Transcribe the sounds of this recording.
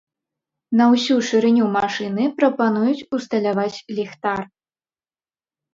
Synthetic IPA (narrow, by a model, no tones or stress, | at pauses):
nɐwsʲuʂɨɾɨnʲumaʂɨnɨpɾɐpanujut͡sʲust̪ɐlʲavat͡sʲlʲixt̪ar